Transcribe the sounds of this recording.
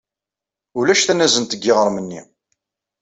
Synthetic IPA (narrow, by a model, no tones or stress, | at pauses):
ʊlæʃθænːæzənt̪əɡːɪʁəɾˤmənːḭ